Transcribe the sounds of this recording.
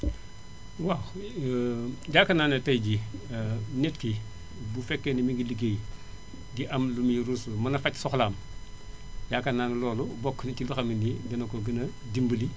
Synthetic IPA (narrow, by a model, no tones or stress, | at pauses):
waw | ɟaːkɐnaːnɐtɐjɟi | netki | bufɛkːenɐmiŋɡiliɡej | diʔɐmlumiɾunsumɐnɐfacsɔxlaːm | ɟakanaːnɐlɔːlubɔkːnit͡ʃiluxɐminiɡɐnɐkoɡɐnɐ | dimbuli